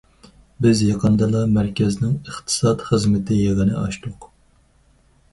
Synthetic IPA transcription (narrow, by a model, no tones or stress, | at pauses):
bɪzjɑqʰənd̪ɑlˠɑmæɾkʲɛznɪŋəχt̪ʰɨ̥sɑt̪χəzmɪt̪ʰɪjeʁɨnɨɑ̰ʃt̪ʊq